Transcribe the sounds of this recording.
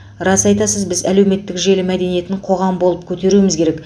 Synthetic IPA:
ɾɑsɑjt̪ɑsəzbɪzælewme̞t̪ːɪkʒe̞lɪmæd̪e̞nije̞t̪ɪɴqʰo̞ʁɑmbolˠəp̚kʲʰɵt̪e̞ɾumɪzkʲe̞ɾek

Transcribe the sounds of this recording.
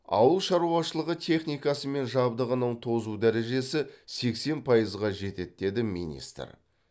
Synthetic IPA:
ɑ̰wəlˠʃɑɾuɑʃəlˠəʁət̪ʲʰe̞χnijkɑsəme̞nʒɑbd̪əʁənəɴt̪ʰo̞zud̪æɾe̞ʒe̞sɪse̞kse̞npʰɑjəzʁɑʒe̞t̪e̞t̪̚d̪e̞d̪ɪmḭnʲḭst̪ə̰ɾ

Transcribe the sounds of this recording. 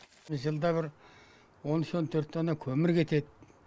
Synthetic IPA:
ɪʒəlˠd̪ɑbɪɾ | wo̞nɪʃont̪ʰɵɾt̪ːonɑkʲʰɵmɪɾkʲʰe̞t̪e̞d̪ɪ

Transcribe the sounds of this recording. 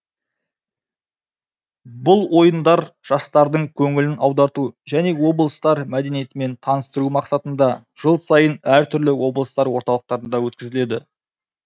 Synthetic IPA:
bʊlˠwo̞jənd̪ɑɾʒ̥ɑst̪ɑɾd̪əɴkʲʰɵŋɪlɪnʔɑwd̪ɑɾt̪uʒæne̞wo̞blˠəst̪ɑɾmæd̪e̞nije̞t̪ɪme̞nt̪ʰɑnəst̪əɾumɑqsɑt̪ənd̪ɑ | ʒ̥əlˠsɑjənæɾt̪ʰʏɾlɪwo̞blˠəst̪ɑɾwo̞ɾt̪ɑlˠəq̚t̪ɑɾənd̪ɑwɵt̪kʲɪzɪle̞d̪ɪ̰

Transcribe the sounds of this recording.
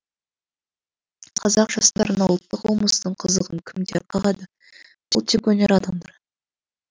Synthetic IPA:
qʰɑzɑqʒ̥ɑst̪ɑɾənɑwlˠət̪ːəqwolˠməsəd̪əɴqʰəzəʁəŋkʲʰɪmd̪eɾqʰɑʁɑd̪ə | t̪ʰlˠt̪ʰːekwɵnʲeɾɑd̪ɑmd̪ɑɾ

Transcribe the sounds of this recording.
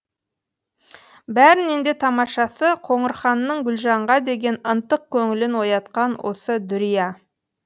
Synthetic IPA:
bæɾɪne̞nd̪e̞t̪ʰɑmɑʃɑsəqʰo̞ɴəɾχɑnːəɴɡʲʏlʒɑɴʁɑd̪e̞ɡʲe̞nənt̪əq̚kʲʰɵŋɪlɪnwo̞jɑt̪qɑnwʔo̞̰səd̪ʏɾijɑ

